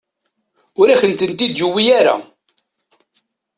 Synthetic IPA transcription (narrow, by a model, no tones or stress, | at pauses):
ʊɾaçənt̪ənt̪id̪juwijaɾa̰